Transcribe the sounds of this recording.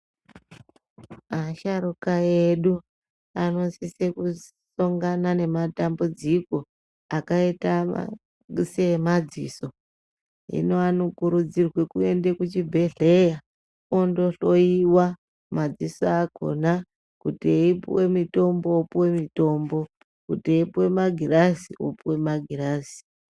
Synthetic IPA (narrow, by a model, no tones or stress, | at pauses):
aʃaɾukaeɗu | ano̞siseku | soŋɡanane̞matambud͡ziko̞ | akaita̰ | se̞mad͡ziːso̞ | ḭno̞anokuɾud͡zirwe̞kuende̞kut͡ʃibʱe̞ɮe̞ja | ondo̞ɬo̞iwa | mad͡zisoakʰo̰na | kutieipwe̞mito̞mbo̞opwemito̞mbo̞ | kuteipwe̞maɡʱirasio̰pwe̞maɡʱiraːsi̥